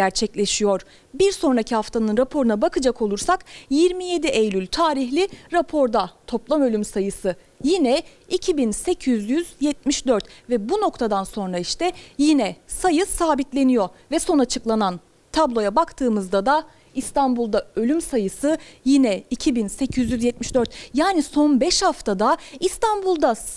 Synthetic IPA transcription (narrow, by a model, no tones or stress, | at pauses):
æɾt͡ʃʰɛclʲe̞ʃijo̞ɾ | biɾso̞nɾacʰihaft̪ʰanɯnɾapʰo̞ɾunabakɯd͡ʒako̞lˠuɾsakjiɾmije̞d̪iʔejlʲylʲt̪ʰaːɾiçlʲiɾapʰo̞ɾd̪at̪ʰo̞plˠamø̞lʲymsajɯsɯ | jinɛ | icʰibinse̞cʰyzjyzjɛt̪̚miʃd̪øɾt̪vɛbuno̞kt̪ʰad̪anso̞nɾaiʃt̪ɛjinɛsajɯsaːbit̪lʲe̞nijo̞vɛso̞nat͡ʃʰɯklˠanan | t̪ʰablˠo̞jabakt̪ʰɯːmɯzd̪ad̪a | ist̪ʰanbulˠd̪aø̞lʲymsajɯsɯjinɛicʰibinse̞cʰyzjyzjɛt̪̚miʃd̪øɾt̪jaːniso̞nbɛʃhaft̪ʰad̪aist̪ʰanbulˠd̪a